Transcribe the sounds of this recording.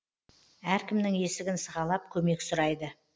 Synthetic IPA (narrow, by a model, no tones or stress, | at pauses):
æɾkʲɪmnɪŋe̞sɪɡʲɪnsəʁɑlˠɑp̚kʲʰɵme̞ksʊɾɑjd̪ə